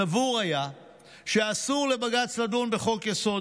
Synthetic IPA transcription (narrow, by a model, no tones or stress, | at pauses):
avuʁaja | ʃeasuʁle̞baɡat͡slad̪unbe̞χo̞kjeso̞